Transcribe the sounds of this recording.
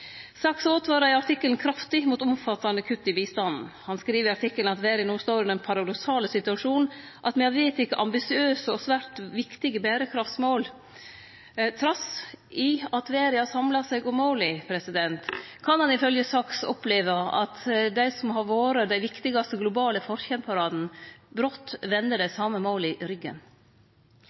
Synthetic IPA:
sɑksoːt̪ʰʋɑːɾɑɪɑʈ̪ɪkːəlnkʰɾɑft̪ɪmuːt̪ɔmfɑt̪ːɑnəkʰʉt̪ːɪbiːst̪ɑnn̩hɑnskɾiːʋəɾɑʈɪkːəln̩ɑt̪ʋeːɾɪnoːst̪oːɾʉnɛnpʰɑɾɑd̪ɔksɑːləsɪt̪ʉɑʂuːn̩ | ʔɑt̪mɛɑʋeːt̪ɪkːəʔɑmbɪsɪøːsəɔsʋæːɾt̪ʋɪkt̪ɪɡəbæːɾəkʰɾɑft̪smoːl | t̪ʰɾɑsʔɪɑt̪ʋeːɾɪhɑsɑmlɑsɛɪɡʊmːoːlɪpʰɾɛsɪd̪ɛnt̪kʰɑnhɑnɪfœljəsɑːksɔ̰pleːʋəɑ̰t̪d̪æɪsɔmhɑɾʋoːɾəd̪æɪʋɪkt̪ɪɡɑst̪əɡlʊbɑːləfɔɾçɛnpʰɑɾɑːd̪n̩bɾɔt̪ːʋɛnd̪əɖæɪsɑːməmoːlɪʔɾʏɡːə̰n

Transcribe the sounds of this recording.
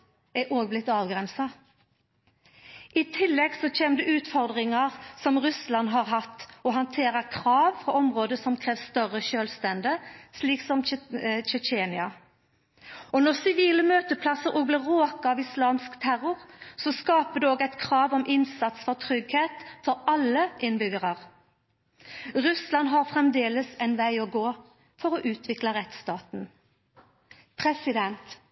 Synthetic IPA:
ɛʔoːɡ̚blɪt̪ːɑːʋɡʁɛnsɑ | ʔɪt̪ʰɪlːɛɡsɔt͡ʃʰeːməd̪ɛʉːt̪fɔʁd̪ʁɪŋɑʁsɔmʁʉslɑnɦɑʁɦɑt̪ːɔɦɑnt̪ʰeːʁəkʰʁɑːʋpʰɔɔmʁoːd̪əsɔmkʰʁeːʋst̪œʁəʃøːlst̪ɛnd̪əsliːksɔmt͡ʃɛt͡ʃeːnɪɑ | ɔnɔʁsɪʋiːləmøːt̪əpʰlɑsəɾʔoːɡ̚blɪʁoːkəɑːʋɪslɑːmskt̪ʰæʁʊʁsɔskɑːpəd̪ɛoːɡæɪt̪kʰʁɑːʋɔmʔɪnsɑt̪sfɔʁt̪ʰʁʏɡheːt̪fɔʁɑlːəʔɪnbʏɡəʁɑʁ | ʁʉslɑnɦɑʁfʁɛmd̪eːləsɛɪnʋæɪɔɡoː | fɔʁɔʔʉːt̪ʋɪklɑʁɛt̪st̪ɑːt̪n̩ | pʰʁɛsɪd̪ɛnt̪

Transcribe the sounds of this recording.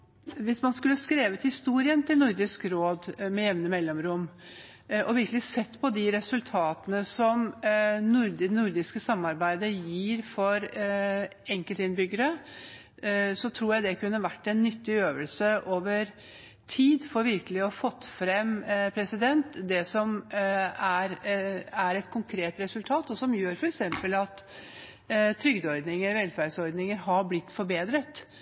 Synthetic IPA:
ʋɪsmɑnskʉlːəskɾeːʋət̪hɪst̪uːɾɪənt̪ʰɪlnʊɾd̪ɪskɾoːd̪mɛjɛʋnəmɛlːɔmɾʊmː | ʔɔʋɪɾkəlɪsɛt̪ːpʰɔd̪ɪɾɛsʉlt̪ʰɑːt̪ənəsɔmnʊɾd̪ɪnʊɾd̪ɪskəsɑmːɑɾbæɪd̪əjiːɾfɔɾ | ɛŋkəlt̪ɪnbʏɡəɾə | sɔt̪ʰɾuːɾjæɪd̪ɛkʰʉnːəʋæʈːɛnːʏt̪ːɪøːʋəlsəʔoːʋəɾ | t̪ʰiːd̪fɔɾʋɪɾkəlɪɔɑfɔt̪ːfɾɛmpʰɾɛsɪd̪ɛnt̪d̪ɛsɔm | æɾæɾɛt̪kʰʊŋkʰɾeːt̪ɾɛsʉlt̪ʰɑːt̪ɔsɔmjøːɾfɔɾɛksɛmpəlɑt̪ | t̪ʰːɾʏɡd̪ɔɾd̪nɪŋəɾʋɛlfæɾɖsɔɾd̪nɪŋəɾɦɑɾblɪt̪ːfɔɾbeːd̪ɾət̪

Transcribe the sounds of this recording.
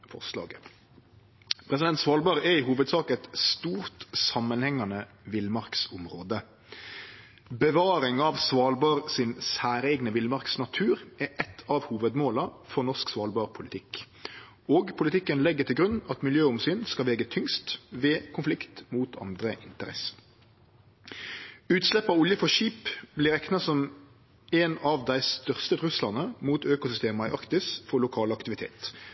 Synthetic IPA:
fɔ̰ʁslɑ̰ːɡə | pʰɾɛs̬ɪd̪ɛnt̪sʋɑːlbɑʁɛɪhuːʋəd̪sɑːkɛt̪st̪uːʁt̪sɑmːənhɛŋːɑnə | ʋɪlmɑʁksʊmʁoːd̪ə | bəʋɑːɾɪŋɑʋsʋɑːlbɑʁsɪnsæːɾɛːɡnəʋɪlmɑɾksnɑt̪ʰʉːɾɛʔɛt̪ʰːɑʋhuːʋəd̪moːlɑfɔʁnɔʁʂksʋɑːlbɑːʁpʰʊlɪt̪ʰɪk | oːɡpʰʊlɪt̪ʰɪkːənlɛɡːət̪ʰɪlɡʁʉnːɑt̪mɪljøːʊmsyːnskɑlʋɛːɡət̪ʰʏŋst̪ʋeːkʰʊnflɪkt̪muːt̪ʰɑ̰nd̪ʁəʔɪnt̪əʁɛ̰sə̥ | ʉːt̪slɛpːɑʊljəfɔʃiːpblɪɾɛknɑsɔm | eːnɑʋd̪æɪst̪œʁst̪ət̪ʁʉslɑnəmuːt̪øːkʊsʏst̪eːmɑɪʔɑkt̪ɪsfɔlʊkʰɑːlɑkt̪ɪʋɪt̪ʰḛːt̪

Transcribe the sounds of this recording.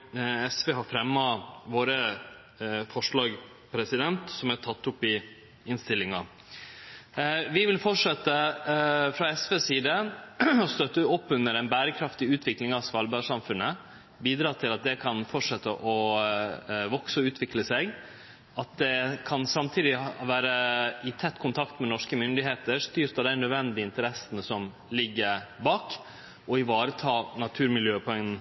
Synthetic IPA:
ɛsʋeːɦɑɾfɾɛmːɑʋoːɾə | fɔʂɭɑːɡ | pʰɾɛsɪd̪ɛnt̪sɔmæʈ̪ʰɑt̪ːʊpːɪ | ɪnst̪ɪlːɪŋɑ | ʋɪʋɪlfɔʈʂɛt̪ːə | fɾɑɛsʋeːsiːd̪əɔst̪œt̪ːəɔpːʉnːəɾɛnbæːɾəkʰɾɑft̪ɪʉːt̪ʰʋɪklɪŋɑsʋɑlbæɪʂɑmfʉnːə | biːd̪ɾɑːt̪ʰɪlɑt̪̚d̪ɛkʰɑnfɔʈʂɛt̪ːəʔɔ | ʋɔksəɔʉːt̪ʰʋɪkləsɛɡ | ɑt̪̚d̪ɛkʰɑnsɑmt̪ʰiːd̪ɪʋæːɾəɪt̪ʰɛt̪ːkʰʊnt̪ʰɑkt̪mɛnɔʂkəmʏnd̪ɪɦeːt̪əɾʂt̪yːɾt̪ɑd̪æɪnœd̪ʋɛnd̪ɪɪnt̪əɾɛsənəsɔm | lɪɡːəɾbɑːk | ʔɔɪʋɑːɾət̪ʰɑːnɑt̪ʰʉːɾmɪljøːpʰʊɛŋnn̩

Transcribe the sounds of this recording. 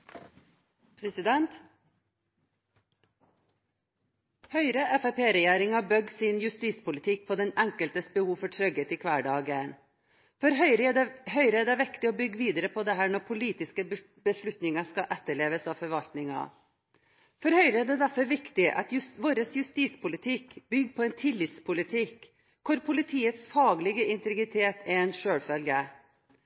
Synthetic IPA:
pʰɾɛsɪd̪ɛnt̪ | hœʏɾəʔɛfɛpʰeːɾɛjæːɾɪŋɑbœɡsɪnjʉst̪iːspʊlɪt̪ʰɪk̚pʰɔd̪ɛnæŋkəlt̪əsbəhuːʋfɔʈʰɾœɡət̪ɪkʰʋæːɖɑːɡən | fɔɾɦœʏɾəɛhœʏɾəɛːɖ̪ɛʋɪkt̪ɪoːbʏɡːʋiːd̪əɾəpʰɔd̪ɛɦæːɳɔɾpʰʊliːt̪ɪskə | bəʂɭʉt̪nɪŋɑskɑʔɛt̪ːəɭeːʋəsɑʋfɔɾʋɑlt̪nɪŋɑ̰ | fɔɾhœʏɾəɛɖ̪ɛd̪æɾfɔɾʋɪkt̪ɪʔɑ̰t̪jʋoːɾəsjʉst̪iːspʊlɪt̪ʰɪkbʏɡːpʰɔɛnt̪ʰɪlːɪt̪spʰʊlɪt̪ʰɪk | kʰʊɾpʰʊlɪt̪ʰiːət̪sfɑːɡlɪɡəɪnt̪ɛɡɾɪt̪ʰeːt̪ʰɛɾɛnʂøːɽfœlɡə

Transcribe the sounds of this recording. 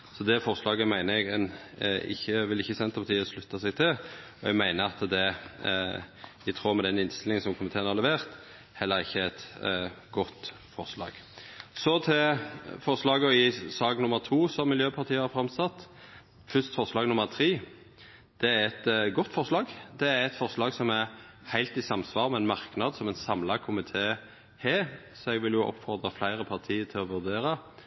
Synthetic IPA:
sɔd̪ɛfɔʁslɑːɡəmæɪnəɛɡɛn | ɪ̰çːəʋɪlɪçːəsɛnt̪əpɑt̪ʰiːəslʉt̪ːəsɛɪɡ̚t̪ʰɪl | ɔɛɡmæɪnəɾɑt̪d̪ɛ | ɪt̪ʰʁuːmɛd̪ɛnɪnst̪ɪlɪŋənsɔmkʰʊmɪt̪ʰeːnɑʁlɛʋeːʁt̪ | hɛlːəɾɪçːəæt̪ɡɔt̪ː | fɔʁslɑ̰ːɡ̥sɔt̪ʰɛfɔʁslɑːɡəɔɪsɑːɡnʊmːəʁt̪ʰuːsɔmɪljøːpʰɑʁt̪ʰiːəhɑɾfɾɑmsɑt̪ː | fʏst̪fɔʁslɑːɡnʊmːəɾt̪ʰɾiː | d̪̥ɛæɾɛt̪ɡɔt̪ːfɔɾslɑːɡd̪ɛæɾɛt̪fɔʁʂlɑːɡsɔmæɾ | hæɪlt̪ɪsɑmsʋɑːɾmɛɛnmɑʁknɑd̪sɔmɛɪnsɑmlɑkʰʊmɪt̪ʰeː | heː | sɔɛɡʋɪljʊʔɔ̰pːfɔʁd̪ʁɑflæɪɾəpʰɑʁt̪ʰiːət̪ʰɪlɔʋʉʁd̪eːɾɑ

